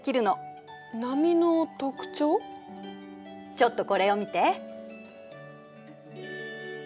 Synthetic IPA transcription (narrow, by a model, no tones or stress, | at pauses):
kʲiɾɯ̟no̞ | namʲinot̪o̞kɯ̟̥t͡ɕo̞ː | t͡ɕo̞t̪ːo̞ko̞ɾe̞omʲit̪e̞